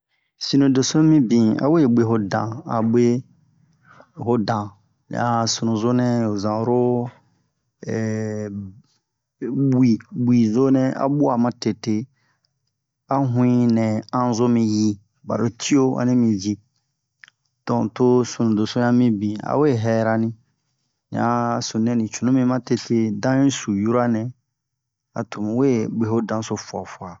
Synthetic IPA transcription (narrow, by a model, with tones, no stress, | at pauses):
si˨nũ˨do˨sʊ̃˦mĩ˦bĩ˨a̰˨we˦˨be˨ɦʊ˦dã˨a˨be˦ | ɦʊ˦dã̰˨ | a˨su˨nũ˨zo˦nɛ̃˦o˨zã˨ɾʊ˦˨ | bi˨bi˨zo˦nɛ̃˦a̰˦bʊ˦a˨mã˦te˨te˨ | a˦ɦũ˦ĩ˦nɛ̃˨ã˦zo˦mĩ˨ji˦ | ba̰˨ɾo˦tʰi˦o˦a̰˨nĩ˦mĩ˨d͡ʒi˦ | tɔ̃˨to˦sũ˨nũ˨do˨so˦ã˦mĩ˦bĩ˨a̰˨we˦˨ɦɛ˨ɾa˦nĩ˦ | n̰˨ã̰˦sũ˨nɛ̃˨nĩ˨t͡ʃu˨nũ˦mĩ˦mã˦te˨tʰe˦dã˦ĩ˦su˨ju˦ɾa˦nɛ̃˨ | a̰˨tʰu˨mĩ˨˦we˦ɡ͡be˨ɦo˦dã˦so˦fwɔ̰˨fu˨a˨